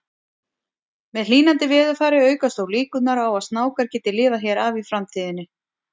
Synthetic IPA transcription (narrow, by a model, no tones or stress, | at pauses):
mɛðl̥iːnant̪ɪvɪːðʏθaːɾɪœːɥkast̪awliːkʏt̪naɾawaðst̪naːwkaɾ̥cɛːt̪ɪlɪːvaçjɛɾaːvifɾamt̪ʰiːðɪnːɪ